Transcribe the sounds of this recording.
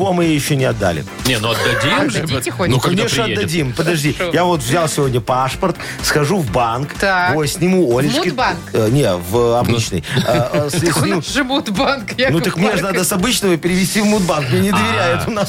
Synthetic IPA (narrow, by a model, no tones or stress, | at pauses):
vomɨjejɪɕːonʲɪɐd̪ːa̰lʲɪ̰ | nʲenuɐd̪ːɐd̪ʲimʐnukɐnʲeʂnəɐd̪ːɐdʲimpəd̪ɐʐdʲijavo̞t̪vzʲalˠsʲɪvo̞dʲnʲəpaʂpərt̪ | sxɐʐuvbank̪avosʲnʲɪmuolʲɪskɪbannʲevɐbnit͡ɕnɨ̰jsesʲnuʐɨmut̪bankjnut̪əkmnʲeʐɨnad̪əsɐbɨt͡ɕnəvəpʲɪɾʲɪvʲɪsʲtʲivmud̪̚bankʲɪnʲɪd̪əvʲɪɾʲajɪt̪ʊnas